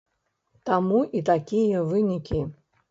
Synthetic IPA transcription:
t̪amuʔit̪akʲijɐvɨnʲikʲi

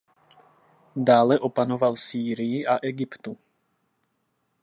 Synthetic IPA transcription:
d̪aːlɛʔɔpanoʋalsiːɾijiʔaʔɛɡipt̪u

